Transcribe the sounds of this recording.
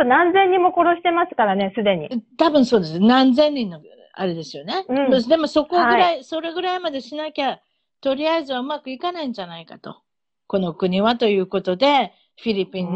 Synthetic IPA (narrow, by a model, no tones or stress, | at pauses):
onãnzẽ̞ɲ̟ːĩmːo̞ko̞ɾo̞ɕi̥t̪e̞masɨ̥kaɾane̞sɨd̪e̞ɲ̟it̪abɯ̟̃ɰ̃so̞ːd̪e̞sɨnãnzẽ̞ɲʲːĩnːo | a̰ɾe̞d̪e̞sɨjo̞ne̞ɯ̃d̪e̞mo̞so̞ko̞ɡɯɾaiso̞ɾe̞ɡɯ̟ɾaimad̪e̞ɕinakʲa | t̪o̞ɾʲiaizɨβaɯ̟makɯ̟ikanaĩɲ̟d͡ʑanaikat̪o̞̰ | ko̞no̞kɯ̟ɲ̟iβat̪o̞jɯ̟ːko̞t̪o̞d̪e̞ | ɸʲiɾʲipʲĩn